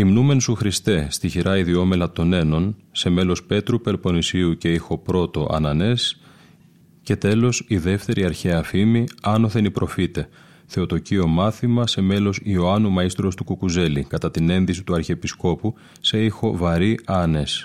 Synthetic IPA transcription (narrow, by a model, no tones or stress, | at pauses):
imnume̞nsuxɾist̪e̞st̪içiɾʔɐiðio̞me̞lɐt̪o̞ne̞no̞nse̞me̞lo̞spe̞t̪ɾupe̞ɾpo̞nisiuce̞ixo̞pɾo̞t̪o̞ʔɐ̰nɐne̞s | ce̞t̪e̞lo̞siðe̞ft̪e̞ɾʔiɐɾçeɐfimiɐno̞θe̞nipɾʔo̞fit̪e̞ | θeot̪o̞cio̞mɐθimɐse̞me̞lo̞sio̞ɐnumɐist̪ɾost̪ukukuze̞likɐt̪ɐt̪ine̞nðis̬it̪uɐɾçeːpisko̞pu | se̞ixo̞vɐɾiʔɐne̞s